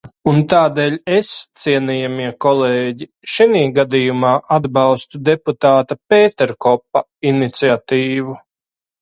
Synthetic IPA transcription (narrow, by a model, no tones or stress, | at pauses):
unt̪aːd̪ɛːlʲest̪siɛniːjamiɛkɔleːɟi | ʃiniːɡad̪ijumaːʔad̪bɑwst̪ud̪eput̪aːt̪apeːt̪ɛɾkɔpːa | init̪siat̪iːvu